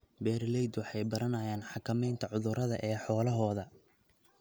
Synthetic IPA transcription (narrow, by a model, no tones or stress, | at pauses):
bɛːɾlɛjd̪wɑħɑjbɐɾɐnɐjaːnħɑkʰɐmɛjnt̪ʰɐʕʊðʊɾɐðɐ̰ʔɛːħɔːlɐɦɔːðɐ